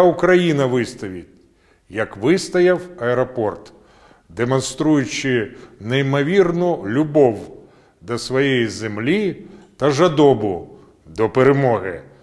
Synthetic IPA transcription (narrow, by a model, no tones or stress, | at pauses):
ʊkɾɐjinɐʋɪst̪ɐʋʲit̚ʲ | jɐkʋɪst̪ɐjɐwɐɛɾɔpɔrt̪ | d̪emɔnst̪ɾujʊt͡ʃɪneimɔʋʲirnʊlʲʊbɔw | d̪ɐsʋɔjɛjizemlʲit̪ɐʒɐd̪ɔbʊ | d̪ɔpeɾemɔɦɪ